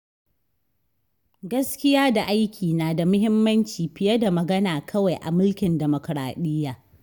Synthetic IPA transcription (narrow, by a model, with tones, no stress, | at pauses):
ɡɐ˦skʲɪ˦jaː˦da˨ʔa˦jkʲʰiː˨naː˨da˨mʊ˦ɦɪ˦mːɐ˦nt͡ʃiː˨ɸɪ˨jɐ˦da˨mɐ˨ɡɐ˦naː˨kʰɐ˦wa˨jʔa̰˨mʊ˦lkʲɪ˨ndɛ˨mo˨kɾa̰ː˨ɗɪ˦jːaː˨